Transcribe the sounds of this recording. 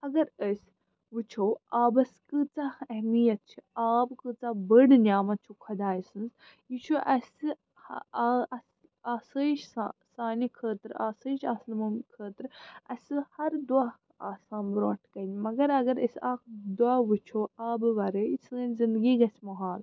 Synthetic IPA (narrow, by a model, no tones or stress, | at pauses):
ɐɡɐɾəsʲ | ʋɨt͡ʃʰoːaːbɐskɨt͡saɛhmijɐt̪̚t͡ʃʰiaːbkɨt͡sabəɽnʲaːmɐt͡ʃʰukʰɐd̪aːjsɨnz | jit͡ʃʰuʔɐsɨ | h | aːsəʃasaːnikʰəːt̪ɾaːsəːt͡ʃʰaːsnmumkʰəːt̪ɾɐsɨhɐɾd̪uaː | a̰ːsaːnbɾoːʈʰkɐnʲmɐɡɐɾɐɡɐɾɐsʲaːkd̪uaːʋɨt͡ʃʰoːaːbʋɐɾəisənzind̪ɡiːɡɐsʲmɐɦaːl